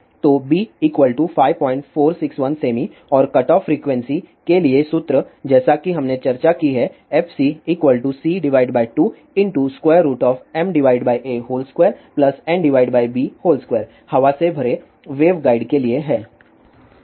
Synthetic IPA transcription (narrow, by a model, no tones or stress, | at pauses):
t̪oːbiːiːkʋəlʈufaːɪʋpɔ̃ːɪ̃ɳʈfoːɾsɪksʋɐnseːmiɔːɾkɐʈɔːfɾiːkʋɛ̃nsikeliesʊt̪ɾəd͡ʒɛːsakiɦɐmnet͡ʃɐɾt͡ʃakiɦɛɛpʰsiiːkʋəlʈusiːɖɪʋaːɪɖbaːɪʈuː | ɪ̃ɳʈuskwɛːəɾːuːʈɔːfɛ̃mɖɪʋaːɪɖbaːiʔeːɦoːlskweːɾplɐsɛ̃ːmɖɪʋaːɪɖbaːibiːhoːlskweːɾ | hɐʋasebʱɐɾe | ʋeːʋɡaːɪɖkelieɦɛ̃ː